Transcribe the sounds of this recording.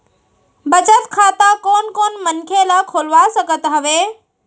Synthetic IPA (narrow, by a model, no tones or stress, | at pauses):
bət͡ʃət̪kʰaːt̪akoːnkoːnmənkʰelakʰoːlʋasəɡət̪ɦəʋeː